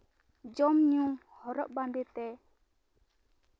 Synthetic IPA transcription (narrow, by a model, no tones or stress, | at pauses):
d͡ʒɔmɲuŋhɔɾɔʔ̚band̪ɛt̪ɛ